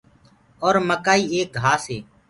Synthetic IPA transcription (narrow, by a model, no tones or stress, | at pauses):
ɔːɾməkaːiːeːk̚ɡʱaːseː